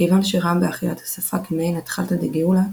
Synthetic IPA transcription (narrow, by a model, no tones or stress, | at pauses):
kejvanʃeʁambeaχilathḁsafakimejnatχaltadeɡeula